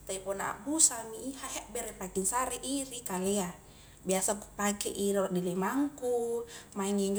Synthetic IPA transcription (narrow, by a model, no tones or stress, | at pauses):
t̪aipɔnaa̰busamiːhaɦɛʔbɛɾɛpakiŋsaɾɛʔirikalɛa | biasaku̥pakɛʔilaʔdilimaŋkumaiŋiɲd͡ʒ